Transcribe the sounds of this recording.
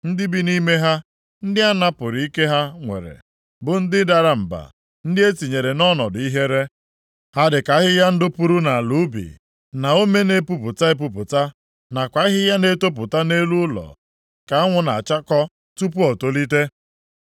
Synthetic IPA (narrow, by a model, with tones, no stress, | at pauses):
n̩˦dɪ˦bi˦ni˦me˦ɦa˦ | n̩˦dɪ˦a˦na˦pʊ˨ɾi˨i˦ke˦ɦa˦ŋʷḛ˨ɾḛ˨ | bʊ˨n̩˦dɪ˦da˨ɾa˦m̩˨ba̰˨ | n̩˦dɪ˦e˦ti˨ɲe˨ɾe˨nɔ˦nɔ˨dʊ˨i˦ɦe˦ɾe˦ | ha˦dɪ˨ka˨˦ɦɪ˦ja˦n̩˦dʊ˦pu˨ɾu˦na˨lu˨˦bḭ˨ | na˨o˦me˦ne˦pu˦pʊ˨ta˦e˦p̬u˨pʊ˨ta˦ | na˨kʷa˦ɦɪ˦ja˦ne˦to˦p̬ʊ˨ta˦ne˦lu˦ʊ˦lɔ̰˨ | ka˨a˦ŋʷʊ˦na̰˨t͡ʃa˦kɔ˦ | tu˦pu˦ɔ˨to˦li˦te˦